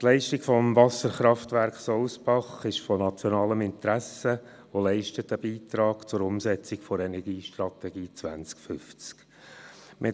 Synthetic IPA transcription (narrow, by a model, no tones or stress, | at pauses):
t̪lɛɪʃtikfɔmvɑsəɾχɾɑftvæɾkχsɔʊsbɑχɪʃfɔnɑt͡sjɔnɑːləmɪnt̪ɾæsə | ʋolɛɪʃtət̪əbiːt̪ɾɑːɡ̥t͡sʊɾʊmsɛt͡sikfɔɾɛnɛɾɡiːʃtɾɑt̪ɛɡiːt͡sʋæ̰nt͡skfʏft͡sk | mʔɪ